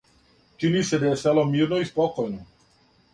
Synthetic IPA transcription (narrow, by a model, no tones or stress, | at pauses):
t͡ʃinised̪ajesɛlomiːɾnoispɔkojno